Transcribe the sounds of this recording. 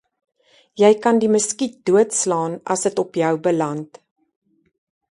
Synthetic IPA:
jɛjkɐndiməskid̥uətslɑːnɐ̰sətɔpjœwbəlɐnt

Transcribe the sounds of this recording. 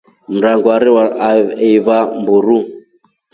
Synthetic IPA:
m̩ɾaŋɡwaɾiwaɛvambuɾu

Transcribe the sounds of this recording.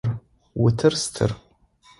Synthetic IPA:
r | wʊtʰɨrstʰɨ̰r

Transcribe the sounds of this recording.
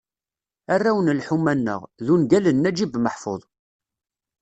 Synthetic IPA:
arːæwənlħumːænːə̰ʁðunɡælənːæd͡ʒibməħfo̰ðˤ

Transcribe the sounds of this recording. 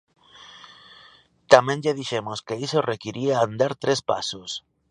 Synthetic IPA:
t̪amẽŋʎaðiʃemoskeisorekiɾiaːnd̪aɾt̪ɾespa̰sos

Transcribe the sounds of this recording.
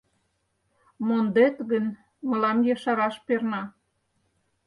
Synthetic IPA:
mond̪et̪ɣən | mə̆lɑmjɑʃɑɾɑʃpernɑ

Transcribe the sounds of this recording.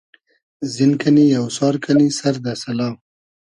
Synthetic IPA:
zinkanijawsɑːɾkʰanisaɾd̪asɐlɑːm

